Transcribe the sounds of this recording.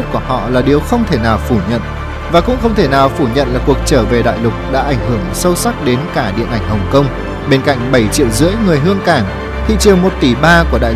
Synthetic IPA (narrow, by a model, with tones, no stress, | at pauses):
ku˧˩əhɔ̰˧˨laː˨˩ɗi˨˩əwxə˧wŋ͡mt̪ʰe˧˩naː˨˩wfu˧˩ɲə̰˧˨n | vaː˨˩kʊ̰˧˥ŋ͡mxə˧wŋ͡mt̪ʰe˧˩naː˨˩wfu˧˩ɲə̰˧˨nlaː˨˩ku˨˩ək̚t͡ɕəː˧˩ve˨˩ɗa̰ː˧˨jlʊ˨˩k͡p̚ɗa̰ː˧˥ʔa˧˩jŋ̟ɦɨ˧˩əŋsə˧wsa˦˥k̚ɗe˨˦nkaː˧˩ɗḭ˧˨ənʔa˧˩jŋ̟hə˨˩wŋ͡mkə˧wŋ͡m | ɓe˧nka̰˧˨jŋ̟ɓə˧˩jt͡ɕḭ˧˨əwzɨ̰˧˥əjŋɨ˨˩əjɦɨ˧əŋkaː˧˩ŋ | t̪ʰḭ˧˨t͡ɕi˨˩əwmo˨˩t̚t̪i˧˩ɓaː˧ku˧˩əɗa̰ː˧˨j